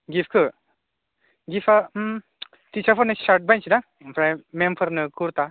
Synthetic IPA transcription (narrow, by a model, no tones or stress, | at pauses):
ɡifkʰɯ | ɡifʰa | tit͡ʃʰapʰəɾnɯsaɾʈ̚bajnt͡ʃʰina | pʰɾajmempʰəɾnɯkʰuɾt̪a